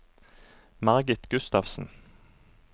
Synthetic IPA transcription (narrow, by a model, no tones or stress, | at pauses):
mɑʁɡɪt̪ɡʉst̪ɑfsn̩